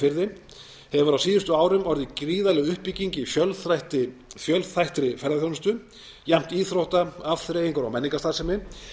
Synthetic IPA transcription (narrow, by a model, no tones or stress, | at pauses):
fɪɾðɪ | hɛvʏɾawsiːðʏst̪ʏaːwɾʏmɔɾðɪcɾiːðalɛɣʏhpːicːiɲcɪfjœlθɾajht̪ɪfjœlθajht̪ɾɪfɛɾðaθjownʏst̪ʏ | jɛm̥t̪iːθɾowht̪aavθɾejiŋkʏɾawmɛnːiŋkast̪aðsɛmːɪ